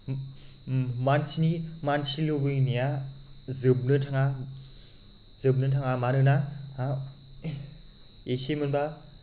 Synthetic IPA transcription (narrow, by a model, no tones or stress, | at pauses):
mansinimansilɯbɯjnija | zɯb̚nɯtʰaŋa | zɯb̚nɯtʰaŋamaɾɯna | esemɯnba